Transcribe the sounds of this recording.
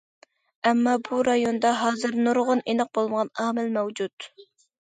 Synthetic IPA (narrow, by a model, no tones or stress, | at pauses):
ɛmːɑbuɾɑjond̪ɑɦɑːzɨɾnuɾʁʊnenɨq̚bolˠməʁɑnɑːmɪlmɛwd͡ʒut̪